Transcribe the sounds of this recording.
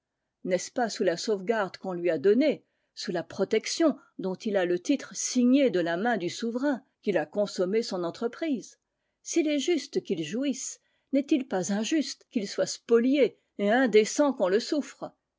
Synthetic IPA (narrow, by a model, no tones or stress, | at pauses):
nɛspasulasovɡaʁd̪kɔ̃lɥiad̪ɔne | sulapχɔt̪ɛksjɔ̃ | d̪ɔ̃t̪ilalət̪it̪χəsiɲed̪əlamɛ̃d̪ysuvʁɛ̃ | kʲilakɔ̃sɔmesɔ̃nɑ̃t̪χəpχiz | silɛʒyst̪kʲilʒuis | nɛt̪ilpazɛ̃ʒyst̪kʲilswaspɔlje | eɛ̃d̪esɑ̃kɔ̃ləsufχ